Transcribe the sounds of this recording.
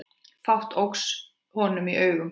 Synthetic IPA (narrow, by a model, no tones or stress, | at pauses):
fawht̪ʰowks | hɔnʏmiʔœːɥɣʏm